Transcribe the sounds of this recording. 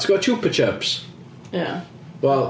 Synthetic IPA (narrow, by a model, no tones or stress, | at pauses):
sɡ̥ɔt̚t͡ʃʰuˑpət͡ʃəˑps | ja | wɛlˠ